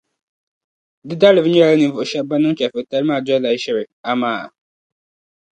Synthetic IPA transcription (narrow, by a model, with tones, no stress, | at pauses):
dɪ˦da˦lɪ˨vɲ˦ɛ˦˨la˦ni˨˦vʊ˨ʃɛ˦ba˦nʊ˦ŋ˦t͡ʃɛ˨fɛ˨ta˦lmaː˦˨d͡ʒɔ˦la˨i˦ʃɛ˦bɛ˨ | a˨maː˨